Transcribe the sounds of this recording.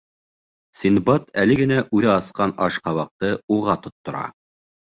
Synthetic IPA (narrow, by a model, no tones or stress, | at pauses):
sʲinbɑt̪ælɘ̆ɡɘ̆næʔʉðɘɑsqɑnɑʃqɑβɑq̚t̪ɤuʁɑt̪ŏt̪ːŏɾɑ̰